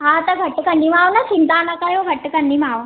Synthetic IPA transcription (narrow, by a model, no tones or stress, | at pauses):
ɦãt̪aɡʱəʈːəkəɳːimaʋnat͡ɕint̪anakajoɡʱəʈːəkənːimaʋ